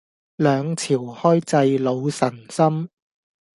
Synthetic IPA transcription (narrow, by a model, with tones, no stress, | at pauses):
lœː˨˧ŋt͡sʰiː˨˩whɔː˥jt͡sɐ˧jlo˨˧wsɐ˨˩nsɐ˥m